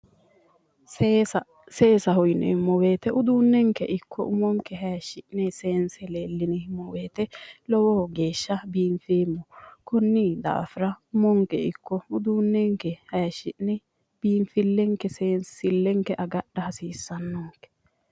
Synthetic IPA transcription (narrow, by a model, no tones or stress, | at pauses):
se̞ːsɐɦɔjnɛ̰hɪmːɔweːt̪ɛʔʊd̪uːnːɛŋkɛʔɪkːɔ̰ʊmɔŋkːɛɦɐjɐʃɪʔnɛseːnsɛleːlːɪnɪmːɔweːt̪ɛlɔwɔhɡe̞ːʃːɐbiːɱfeːmːɔkɔnːiːd̪a̰ːfɪɾɐʊmɔŋkɛ̰ɪ̰kːɔʊd̪uːnːɛŋkɛhɐjɐʃɪʔnɛ | b̥iːɱfɪlːɛŋkɛseːnssɪlːɛŋkɛʔɐɡɐɗːɐhɐsiːsːɐnːɔŋkɛ̥